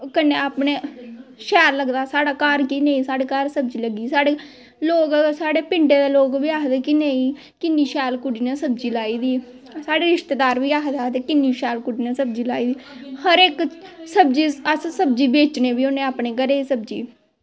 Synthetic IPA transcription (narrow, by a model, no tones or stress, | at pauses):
kəneːaːpneːʃɛːɾləɡd̪aːsaːɽaːkaɾkiːnẽːĩːsaːɽeːkəɾsəb̚d͡ʒiːləɡiːsaːɽe | loːɡsaːɽeːpɪɳʈeːd̪eːloːɡʋiːaːkd̪eːkinẽːĩː | kɪnːiːʃɛːlkʊɖiːneːsəbd͡ʒiːlaːiːd̪iː | saːɽeːɾɪʃt̪eːd̪aːɾʋiːaːkd̪aːt̪eːkɪnːiːʃɛːlkʊɖiːneːsəb̚d͡ʒiːlaːiːd̪iːhəɾeːksəbd͡ʒiːəssəbd͡ʒiːbeːt͡ʃneːbiːonẽːaːpneːɡəɾeːsəb̚d͡ʒḭː